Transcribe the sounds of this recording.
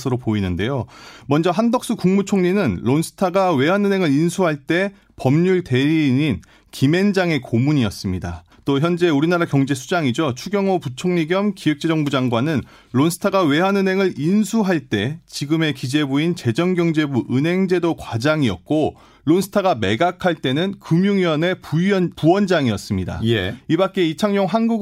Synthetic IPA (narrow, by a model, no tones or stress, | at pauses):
sʰɯɾopoinɯnde̞jomʌnd͡ʑʌɦandʌk̚s͈ɯkuŋmut͡ɕʰoŋɲinɯnɭonsʰɯ̥tʰaɡawe̞ɦanɯnɦe̞ŋɯɾinsʰuɦaɭt͈e̞ | pʌmɲuɭte̞ɾiɲin | kime̞nd͡ʑaŋe̞komuɲiʌs͈ɯmɲida | t͈oçjʌnd͡ʑe̞uɾinaɾakjʌŋd͡ʑe̞sʰud͡ʑaŋid͡ʑot͡ɕʰuɡjʌŋoput͡ɕʰoŋɲiɡjʌmkiwek̚t͡ɕ͈ed͡ʑʌŋbud͡ʑaŋɡwanɯn | ɭonsʰɯ̥tʰaɡawe̞ɦanɯnɦe̞ŋɯɾinsʰuɦaɭt͈e̞t͡ɕiɡɯme̞kid͡ʑe̞boint͡ɕe̞d͡ʑʌŋɡjʌŋd͡ʑe̞buʔɯnɦe̞ŋd͡ʑe̞dokwad͡ʑaŋiʌk̚k͈o | ɭonsʰɯ̥tʰaɡame̞ɡakʰaɭt͈e̞nɯnkɯmjuŋiʌne̞pupuwʌnd͡ʑaŋiʌs͈ɯmɲida̰jibak͈̚e̞it͡ɕʰaŋɲʌŋɦanɡuɡ